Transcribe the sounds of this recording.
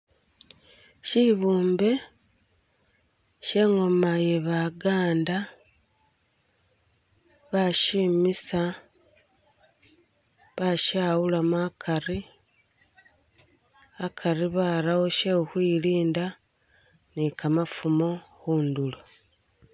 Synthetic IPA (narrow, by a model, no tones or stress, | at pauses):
ʃiβuːmbe̞ | ʃe̞ŋomajeβaɡaːnda | βaʃimisa | βaʃaːwulamakʰaɾi | akʰaɾiβaːɾawo̞ʃeuhwiliːnda | nikʰamafumoxuːndulo